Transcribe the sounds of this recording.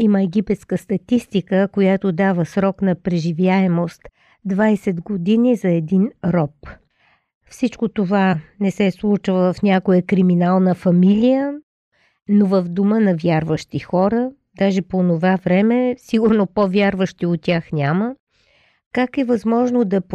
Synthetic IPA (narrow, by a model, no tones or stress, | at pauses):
iməɛɡipɛt̪skəst̪ɐt̪ist̪ikəkojat̪od̪avəsɾɔknɐpɾɛʒivjaɛmost̪ | d̪vajsɛd̪ɡod̪inizɐɛd̪inɾɔp | fsit͡ʃkot̪ovanɛsɛslˠut͡ʃvəvɐfnʲakojəkɾiminalˠnəfɐmilʲijə | novəvd̪umənɐvʲjaɾvəʃt̪ixɔɾə | d̪aʒɛponovavɾɛmɛsiɡuɾnopovʲjaɾvəʃt̪iot̪ʲːaxnʲamə | kakɛvɐzmɔʒnod̪ɐp